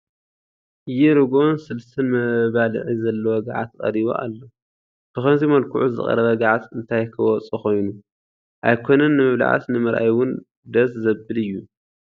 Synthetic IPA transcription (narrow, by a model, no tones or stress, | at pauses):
ʔɨjɛɾɨɡonsɨlst̪ɨnmɐβalɨ̰ʕizɐlːɐwɔɡa̰ʕat̪kʼɐ̰ɾiβo̰ʔa̰lːo | b̥ɨxɐnzimɐlkʰuʕuzɨ̰kʼɐ̰ɾɐβɐɡaʕat̪ɨnt̪ʰajkʰɨwɔt͡sʼuxo̞jnu | ʔajkʰo̞nɐnːɨmɨβla̰ʕa̰snɨmɨɾʔa̰jwʊn | d̪ɐszɐbɨlɨjːu